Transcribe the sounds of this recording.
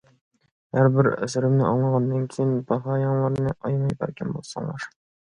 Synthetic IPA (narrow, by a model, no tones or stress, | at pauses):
hæɾbɪɾɵ̰sɵ̆ɾɪ̆mnɪʔɒɴlˠɑʁɑnːɑnkʲʰejɪnpʰɑχɑjɑɴlˠɑɾnɤʔɒjmɑjbæ̰ɾkʲænbo̰lˠsɑ̰ŋlˠɑ̰ɾ